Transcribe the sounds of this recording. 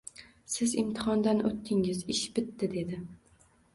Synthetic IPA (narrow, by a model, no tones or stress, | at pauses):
sɪzɪmt̪ʰɪ̥χɒnd̪anot̪ʰːɪŋɪzɪʃbɪt̪ːɪd̪e̞d̪ɪ